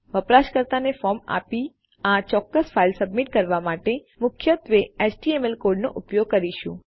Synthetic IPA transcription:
ʋəpɾaʃkəɾt̪anefɔma̰pi | at͡ʃɔkːəsfailsəbmiʈkəɾʋamaʈe | mʊkʰjət̪ʋeet͡ʃʈiemelkoɾɖnoʔupjoɡ̚kəɾiʃũ

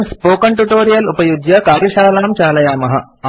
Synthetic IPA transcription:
mspoːkɐɳʈuʈoːɾijɐlupɐjud̪jɐkaːɾjɐʃaːlaːɐmt͡ʃaːlɐjaːmɐɦɐ

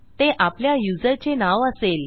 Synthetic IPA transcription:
t̪eʔapljajud͡zəɾt͡ɕenaʋəsel

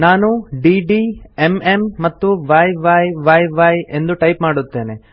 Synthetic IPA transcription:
naːnuɖiːɖiːememːɐt̪ːuʋaːjʋaːjʋɐːjʋaːje̞nd̪uʈɐjpmaːɽut̪ːe̞ːne̞

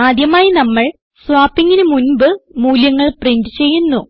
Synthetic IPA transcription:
aːd̪jɐmaːjinɐmːɐɭ | sʋaːpːiŋːinɨmunbɨmuːljɐŋːɐɭprindɨt͡ɕe̞jːunːu

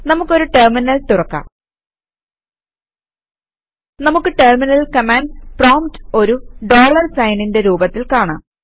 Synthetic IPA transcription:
nɐmukːo̞ɾuʈerminɐlt̪urɐkːa̰ | nɐmukːɨʈerminɐlkɐmaːnɖsproːmto̞ɾuɖo̞ːɭɐrsɐjninde̞ɾuːbɐt̪ːilkaːɳɨ̰m

